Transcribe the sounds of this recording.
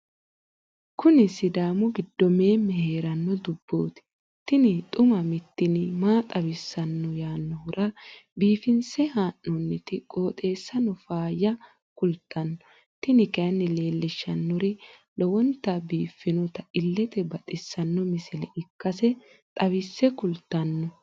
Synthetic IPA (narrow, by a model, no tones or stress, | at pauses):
kʊnɪsɪd̪aːmʊɡɪd̪ːɔme̞ːmːɛhe̞ːɾɐnːɔd̪ʊbːoːt̪ɪ̥ | t̪ɪnɪt̪ʼʊmɐmɪt̪ːɪnɪmaːt̪ʼɐbɪsːɐnːɔjaːnːɔhʊɾʔɐbiːfɪnsɛhaːnːɔnːɪt̪ɪkʼo̞ːt̪ʼe̞ːsːɐnɔfaːjɐ | kʊlt̪ːɐnːɔ | t̪ɪnɪkɛɐnːɪle̞ːlːɪʃːɐnːɔɾɪlɔwɔnt̪ːɐbiːfːɪnɔt̪ɐɪlːɛt̪ɛbɐt̪ʼɪsːɐnːɔmɪsɪlɛʔɪkːɐsɛ | t̪ʼɐβɪsːɛkʊlt̪ːɐnːɔ